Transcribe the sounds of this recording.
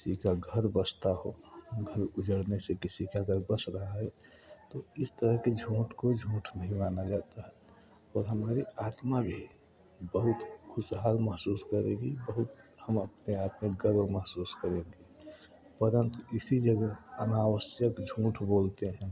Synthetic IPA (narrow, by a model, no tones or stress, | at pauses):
kɪ̥sikaɡʱəɾbəst̪aɦoɡʱəɾʊd͡ʒəɽnesekɪsikaɡəɾbəsɾəɦaɦɛ | t̪oɪst̪əɾəɦked͡ʒʱũːʈʰkod͡ʒʱũːʈʰnɐɦĩmaːnad͡ʒaːt̪aɦɛ | ɔːɾɦəmaːɾiaːt̪mabʱi | bəɦʊt̪xʰʊsɦaːlməɦsuːskəɾẽːɡibəɦʊt̪həməpneaːt̪meɡəɾoməɦsuːskəɾẽːɡi | pəɾə̃nt̪uɪsid͡ʒəɡəənaːwəsjəkd͡ʒʱũːʈʰboːlt̪eɦɛ̃ː